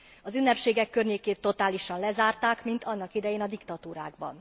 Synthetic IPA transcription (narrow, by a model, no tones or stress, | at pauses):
ɒzynːɛpʃeːɡɛkːørɲeːkeːt̪ːo̞t̪aːliʃɒnlɛzaːrt̪aːkmint̪ɒnːɒkid̪ɛjeːnɒd̪ikt̪ɒt̪uːɾaːɡ̚bɒ̰n